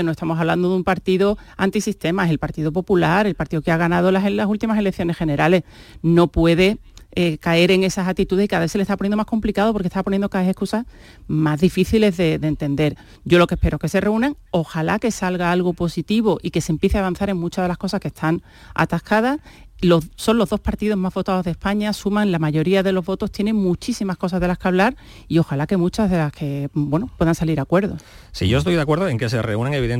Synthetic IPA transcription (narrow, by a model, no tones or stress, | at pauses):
noest̪amo̞saβland̪oðumpaɾt̪iðo | ant̪isist̪emaeselpaɾt̪iðopo̞pulaɾe̞lpaɾt̪iðokeaɣ̞anað̞o̞laɦenlasult̪imase̞le̞k̚θjo̞ne̞hxe̞ne̞ɾale̞sno̞pwe̞ðe̞ekae̞ɾe̞ŋe̞sasat̪it̪uðehikaðaβeselest̪aponjenoahko̞mplikaðop̬oɾket̪aponjenokaeθehkusa | mazðifiθile̞zðe̞ðent̪e̞nd̪e̞ɾ | ɟ͡ʝo̞lo̞ke̞hpe̞ɾo̞ke̞se̞re̞unẽŋo̞xalake̞salɣaalɣoposit̪iβ̞o̞ʔike̞se̞mpjeθeaβ̞an̟θaɾe̞ŋmut͡ʃazðe̞lahko̞sahke̞st̪ʰaŋ | a̰t̪ahkað̞as | loso̞nlo̞ɦðo̞spaɾt̪iðo̞ɦmazβo̞t̪aðo̞zðe̞spaɲasumãŋlamaʝo̞ɾiaðe̞lo̞zβo̞t̪o̞st̪jene̞ŋmut͡ʃisimahko̞sazðe̞lahkaβ̞laɾ | io̞xalake̞mũt͡ʃazðe̞lahkʰe̞bwe̞nopwe̞ðaŋsaliɾakwe̞ɾð̞o̞ | sḭʝo̞est̪ojðakwe̞ɾðoeŋke̞se̞reuneŋeβiðen